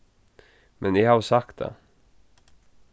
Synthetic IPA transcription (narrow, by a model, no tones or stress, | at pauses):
mʔɛnɪhavsakt̪̚d̪ɛ̰